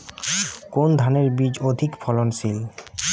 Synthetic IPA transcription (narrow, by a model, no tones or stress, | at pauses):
kond̪ʱaneɾbid͡ʑod̪ʱikfʰɔlonsil